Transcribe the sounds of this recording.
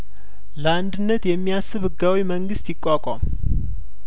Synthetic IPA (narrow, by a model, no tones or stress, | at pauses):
ləand̪ɨnːət̪jɛmːijasːɨβɨɡːawiməŋɡɨst̪jɪkʼːakʼam